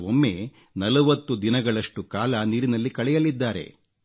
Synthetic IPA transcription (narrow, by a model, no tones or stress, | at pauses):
omːe̞ː | nɐlɐʋɐt̪ːud̪inɐɡɐɭɐʂʈukaːlɐniːɾinɐlːikɐɭɛjɐlid̪ːaːɾe̞̰